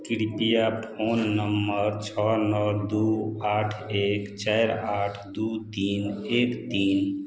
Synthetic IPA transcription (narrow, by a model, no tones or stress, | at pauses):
kiɽipijapʰonːəmːəɾt͡ʃʰɔnəld̪uaʈʰekt͡ʃajɾaʈʰd̪ut̪inekt̪in